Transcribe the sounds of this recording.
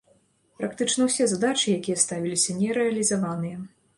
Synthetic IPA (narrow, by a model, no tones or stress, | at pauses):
pɾak̚t̪ɨt͡ʂnɐwsʲɛzad̪at͡ʂɨjakʲijɐst̪avʲilʲisʲɐnʲɛɾɛɐlʲizavanɨjɐ